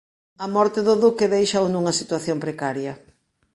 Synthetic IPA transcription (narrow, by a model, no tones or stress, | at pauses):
ɐmɔɾt̪ɪðʊðukeðejʃawnuŋɐsit̪waθjompɾekaɾjɐ